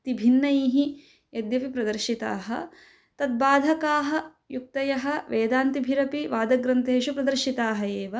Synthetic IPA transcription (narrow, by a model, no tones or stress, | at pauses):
t̪ibʱinːɐiːɦi | jɐd̪jɐpipɾɐd̪ɐɾʃit̪a̰ːɦɐ̰̆ | t̪ɐd̪̚baːd̪ʱɐkaːɦɐ̆ | juk̚t̪ɐjɐɦɐ̆ʋeːd̪aːnt̪ibʱiɾɐpiʋaːd̪ɐɡɾɐnt̪eːʃupɾɐd̪ɐɾʃit̪aːɦɐeːʋɐ